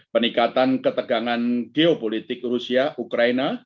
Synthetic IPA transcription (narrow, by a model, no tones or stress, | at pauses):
pənikat̪ankət̪əɡ̥aŋanɡ̥eopolit̪ɪk̚rusiaʔukɾaina